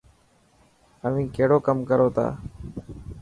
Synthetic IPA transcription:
əʋ̤ĩːkeːɽoːkəmkəɾoːt̪ʰa̰ː

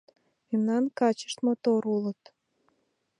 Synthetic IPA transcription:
memnɑnkɑt͡ɕə̥ʃt̪mot̪oɾulət̪

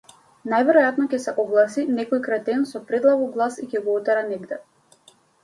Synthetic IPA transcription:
najvɛɾɔjat̪nɔcɛsɛʔɔɡlˠasinɛkɔjkɾat̪ɛnsɔpɾɛd̪lˠaɡɔɡlˠasicɛɡɔɔt̪ɛɾanɛɡd̪ɛ

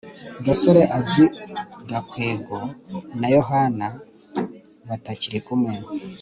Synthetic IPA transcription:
ɡaso̞ɾeʔaziɡakweːɡo̞najo̞ɦana | βataciɾikumwe

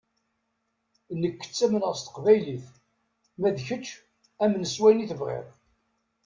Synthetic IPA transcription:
nːəkːə̥t͡sːæmənəʁst̪ə̥qvæjliθ | mæðçət͡ʃː | æmnəswæjniθəvʁḛðˤ

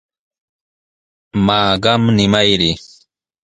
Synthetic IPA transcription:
maːɢɑmnɪmajɾi

